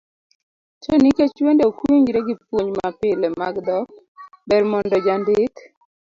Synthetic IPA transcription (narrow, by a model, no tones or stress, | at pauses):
toniket͡ʃwendeokwiɲd͡ʒɾeɡipwoɲmapɪlemaɡd̪ɔk | bɛɾmɔndɔd͡ʒandɪk